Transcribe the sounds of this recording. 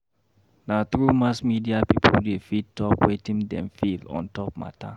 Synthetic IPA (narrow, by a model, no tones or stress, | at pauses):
nat̪ɹumasmidiapipʰoldefid̚tɔpwetĩŋdɛ̰̃mfilɔ̰̃ntɔp̚ma̰tʰa̰